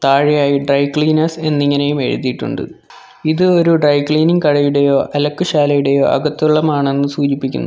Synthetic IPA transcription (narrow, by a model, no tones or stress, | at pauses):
t̪aːɻijaːjiɖrɐjkɭiːnɐse̞nːiŋːɐne̞jume̞̰ɻṵðiʈːṵɳɖɨ̰ | iðɨo̞ɾuɖrɐjkɭiːniŋkɐɻɐjuɽe̞jo̞ːʔʔɐlɐkːuɕaːlɐjuɽe̞jo̞̰ːʔɐ̰ɣɐt̪ːuɭːɐmaːɳe̞nːɨsuːd͡ʑipːikʲːṵnːu